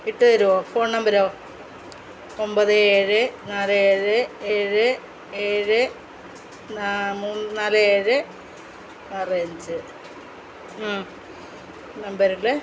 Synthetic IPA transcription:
iʈːɨðɐɾuʋoːfo̞ːɳnɐmbɐɾoː | ombɐðɨeːɻɨnaːlɨeːɻɨeːɻɨ | eːɻɨ | namunnaːlɨeːɻɨ | ɐreɲd͡ʑɨ | aː | nɐmbɐɾuɭɨ

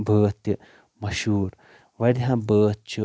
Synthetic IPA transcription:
bəːt̪ːɨ | mɐʃuːɾ | ʋɐɾiɦãbəːt̪t͡ʃu

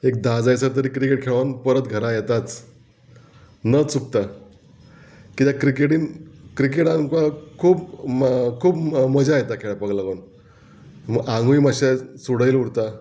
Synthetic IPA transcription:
ek̚d̪ad͡zajt͡səɾt̪̬əɾiːkɾikeʈ̚kʰeɭʋanpəɾət̪ɡʱəɾajet̪at͡s | nət͡suk̚t̪a | kit̪jakɾikeʈiːnkɾik̬eʈãkakʰuːp | kʰuːpməd͡ʑajet̪akʰeɭapəɡlaɡən | mãŋɡuiməɕasuɽəjluɽt̪a

